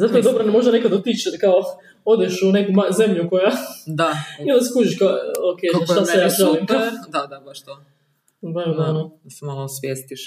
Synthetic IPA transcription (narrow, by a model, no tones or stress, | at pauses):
zat̪ojed̪obɾanmo̞ʒd̪ane̞kad̪ot̪it͡ʃet̪kao | o̞d̪eʃune̞kumaze̞mʎuko̞jad̪aioaskud͡ʒiʃkaokejaʃt̪asejaʒalimkad̪ad̪abaʃt̪o | maɾod̪anosɛmalˠosʋjest̪iʃ